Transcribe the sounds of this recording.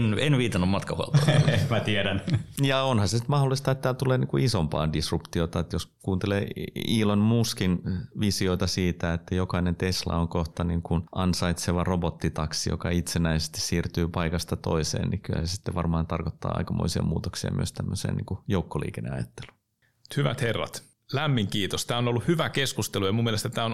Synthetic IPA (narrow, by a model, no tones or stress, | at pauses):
nenʋiːt̪ɑnːummɑt̪kɑhuo̰ltoemæt̪iɛɾænjɑonhɑsesi̥t̪mɑholːˑist̪ɑet̪t̪ːæːlt̪uleːniːkuisompɑ̰ːndisrupt̪iot̪ɑet̪joskuːnt̪eleːiːlonmuskinʋisioit̪ɑsiːt̪æet̪ːæjokɑinent̪eslɑ̰oŋkoht̪ɑniŋkunʔɑnsɑit̪seʋɑrobot̪ːit̪ɑksijo̰kɑit̪senæisest̪i̥ssiːrt̪yːpɑikɑst̪ɑt̪o̰isḛːnnikylæ̰ssi̥t̪ːeʋɑrmɑːnt̪ɑrkot̪ːɑ̰ːɑ̰ikɑmo̰isiɑ̰muːt̪oksiɑ̰my̰ø̰st̪æmːøsḛːnḭŋkujoukːolḭːkenːḛɑ̰jɑt̪ːe̥lu̥ | t̪hyʋæ̰t̪herːɑ̰t̪ | læmːiŋkiːt̪ost̪æːonolːuhyʋækeskust̪elujɑmumːielest̪æt̪æːon